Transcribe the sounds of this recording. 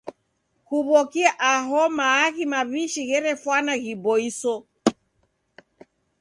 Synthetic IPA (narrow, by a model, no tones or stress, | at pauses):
huβɔkiaʔaɦɔmaːɣimaβiʃiɣɛɾɛfwanaɣibɔisɔ